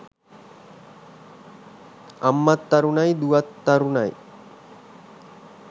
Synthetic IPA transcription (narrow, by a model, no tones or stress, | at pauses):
amːat̪ːaɾunajd̪uat̪ːaɾunaj